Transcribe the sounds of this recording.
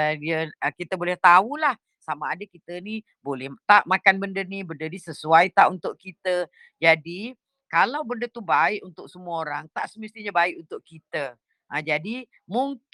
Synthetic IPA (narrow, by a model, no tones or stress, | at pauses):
diəkit̪əbolɛht̪aulah | samaadəkit̪əni | bolɛht̪aʔmakanbəndənibəndənisəsuajt̪aʔunt̪ʊʔkit̪ə | d͡ʒadi | kalawbəndət̪ubaɪʔunt̪ʊksəmuəoɾaŋt̪aʔsəməst̪iɲabaɪʔunt̪ʊʔkit̪ə | ʔəd͡ʒadi | muŋ